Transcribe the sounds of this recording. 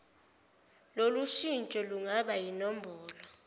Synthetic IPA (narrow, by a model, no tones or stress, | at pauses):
loluʃint͡ʃʼɔluŋaɓajinɔmbʱɔːlɔ